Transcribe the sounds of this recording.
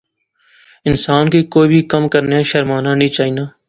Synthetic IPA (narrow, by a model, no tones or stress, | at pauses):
ɪnsaːnkiːkoːiːbʱiːkəmkəɾnejãːʃəɾmaːnãːnĩːt͡ʃaːiːnaː